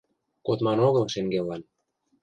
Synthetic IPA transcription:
kot̪mɑnoɣɤ̆lʃeŋɡelɑn

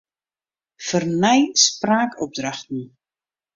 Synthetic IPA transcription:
fərnɛjspraːkɔp̚draxtn̩

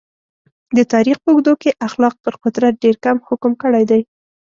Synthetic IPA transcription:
d̪ət̪ɑɾixpəʊɡd̪okeʔaxlɑq̚pəɾqʊt̪ɾat̪̚ɖeɾkamhʊkʊmkəɽajd̪aj

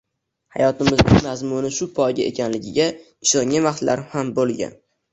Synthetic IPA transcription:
ha̰jɒt̪ɪmɪznɪŋmazmʊnɪʃʊpʰɒjɡʲaʔḛkʲʰanlɪɡʲɪɡʲa | ɪʃɒŋːavaχt̪la̰ɾhambolˠɡʲa̰n

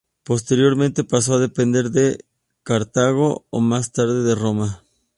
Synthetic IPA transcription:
post̪eɾjo̞ɾmẽnt̪e̞pas̬oaðepend̪eɾðe | kaɾt̪aɣoo̰mast̪aɾðeðeroma

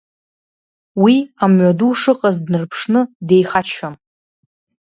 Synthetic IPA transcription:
wiamɥaduʂɨqʼazdnɨrpʰʂnɨde̞jχat͡ʃʰan

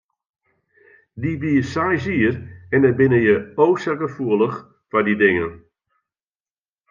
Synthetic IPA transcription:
dibijəsajsiərɛndabɪnəjəowsɛkəfuəlˠəx | fadidɪŋən

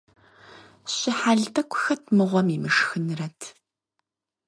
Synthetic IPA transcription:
ɕɪħaːɮtʰɐkʷʰʼʊxɐtʰmɨʁʷɔmiːmɨʂxɨnrɐtʰ

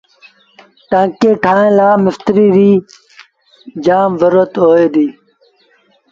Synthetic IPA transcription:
ʈãːkeːʈʰaːẽːlaːmɪft̪ɾiːɾiː | d͡ʒaːmʋəɾət̪ɦoːeːd̪iː

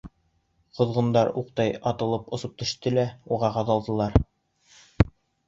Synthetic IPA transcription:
qŏðʁɤ̆nd̪ɑɾuq̚t̪ɑjɑt̪ɤ̆lˠɤpŏsɤp̚t̪ɵ̆ʃt̪ɘlæuʁɑqɑðɑlˠd̪ɤ̆lˠɑɾ

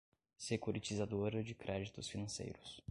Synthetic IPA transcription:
sekuɾit͡ʃizad̪oɾɐd͡ʒɪkɾɛd͡ʒit̪ʊsfinɐ̃sḛjɾʊs

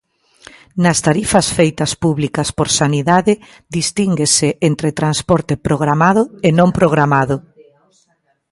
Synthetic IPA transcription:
nɐst̪aɾifɐsfejt̪ɐspuβlikɐspoɾsaniðaðɪ | ðist̪iŋɡesɪʔent̪ɾet̪ɾanspɔɾt̪ɪpɾoɣɾamaðʊenõmpɾoɣ̞ɾamaðʊ

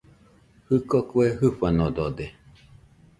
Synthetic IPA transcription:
hɨkokueɦɨɸanod̪od̪e

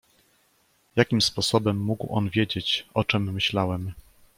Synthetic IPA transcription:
jakʲimspɔsɔbɛmːuɡwʔɔ̰nvʲjed͡ʑet͡ɕʔɔt͡ʂɛmːɘɕlawɛm

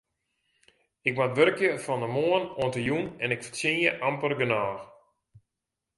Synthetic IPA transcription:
ɪk̚matʋørkjəfɔndəmoənoəntəjunɛnɪkfət͡sɪnjəʔampərɡənaːx

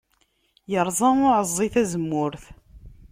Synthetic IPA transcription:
jəɾˤzˤɑʊʕəzˤːiθæzəmːʊɾθ

